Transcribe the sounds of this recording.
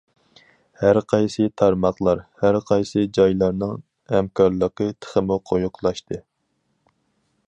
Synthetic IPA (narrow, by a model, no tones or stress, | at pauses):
hæɾqʰɑjsɨt̪ʰɑɾmɑχlˠɑɾhæɾqʰɑjsɨd͡ʒɑjlˠɑɾnɨŋ | hæmkʰɑɾlˠəqət̪ʰə̥χəmuqʰojuqʰlˠɑʃt̪ʰɨ